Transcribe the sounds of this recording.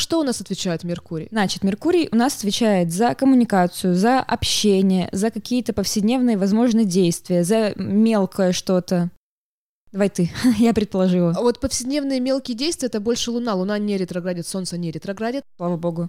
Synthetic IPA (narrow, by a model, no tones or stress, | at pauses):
ʂt̪o̞ʊnasɐt̪vʲɪt͡ɕæjɪt̪mʲɪrkuɾʲɪ̰jznat͡ɕɪt̪mʲɪrkuɾʲɪjʔʊnasɐ̥t̪vʲɪt͡ɕæjɪt̪zəkəmʊnʲɪkat̪sɨjʊzəʔɐpɕːenʲɪjə̰zəkɐkʲʰijət̪əpəfsʲɪdʲnʲe̞vnɨjəvɐzmo̞ʐnɨjdʲejst̪vʲɪjəzəmʲe̞lˠkʰəjəʂt̪o̞t̪ə | d̪vajt̪ɨjapɾʲɪt̪̚pəlˠɐʐɨlˠəvo̞t̪pəfsʲɪdʲnʲe̞vnɨjəmʲe̞lˠkʲɪjədʲejst̪vʲɪɛɛt̪əbo̞lʲʂɨlˠʊnalˠʊnanʲɪɾʲɪt̪ɾɐɡɾadʲɪt̪so̞nt̪sənʲɪɾʲɪt̪ɾɐɡɾadʲɪt̪slˠavəbo̞ɡʊ